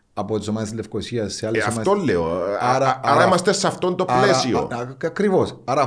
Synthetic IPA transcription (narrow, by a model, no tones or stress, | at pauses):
ɐpot̪isomɐðest̪lefkosiɐsːeɐlːesfmɐðt̪olːeoɐɾɐɐɾɐimɐst̪esɐft̪o̞nt̪o̞plesio̰ɐkɾivosɐɾɐ